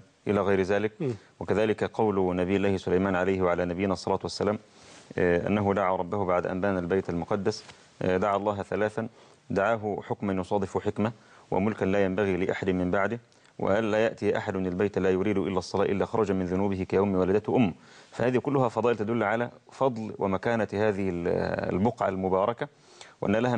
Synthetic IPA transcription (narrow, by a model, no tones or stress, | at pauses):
ʔɪlaːɣɑjɾɪðaːlɪk̚ | wɪkaðaːlɪkqɑwlnabijːɪlːaːhɪsʊlajmaːnʕalajhɪwaʕalaːnabɪjːɪnæʔɑsˤːɑlaːt̪wasːalaːm | ʔa̰nːaɦʊd̪aʕaːɾˤɑbːahʊbaʕd̪a̰ʔa̰mbaːnalbajt̪almʊqɑd̪ːas | d̪aʕalˤːɑːɦθalaːθan | d̪aʕaːɦʊħʊkmanjʊsˤɑːd̪ˤɪfʊħɪkma | wɪ̰mʊlkanlaːjambaɣiːlɪʔa̰ħad̪ɪmɪmbaʕd̪ɪ | wʔɪ̰ʔanlaːjaʔt̪ɪjʔa̰ħad̪mɪnalbajt̪laːjʊɾiːd̪ʊʔɪlːaʔsˤːɑlɑːʔɪlːaːxɑɾˤɑd͡ʒamɪnðʊnuːbɪhɪkajawmɪwalad̪at̪hʔʊmːa | fahaːðihkʊlːʊhafɑd̪ˤɑːʔɪlt̪ad̪ʊlːʕalafɑd̪ˤlwɪ̰makaːnahaːðɪhɪ̰lbʊqʕa̰lmʊbɑːɾˤɑka | wʔa̰nːælaha